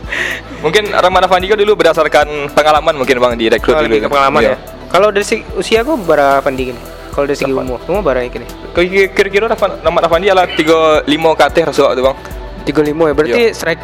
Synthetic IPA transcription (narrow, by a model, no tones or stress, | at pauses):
muŋkɪna̰ɾamanafandikadulubərdasarkanpəŋalamanmuŋkɪnbaŋdiɾɛkɾudulupəŋalamanja | kalawdaɾisəɡusiaɡabaɾafandikinɪ | kalawdaɾisəɡiumʊrumabaɾaikinɪ | kakiɾukiɾoɾafaramanafandialat̪iɡalimokat̪ɪhrasuaʔt̪ubaŋ | t̪iɡolimɔjabəɾart̪isɾak̚